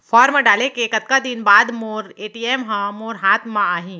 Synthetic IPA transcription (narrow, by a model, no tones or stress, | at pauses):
fʰɔːɾməɖaːlekekɐt̪̚kad̪ɪnbaːd̪moːɾeːʈiːɛmɦãmoːɾɦaːt̪ʰmãaːɦĩː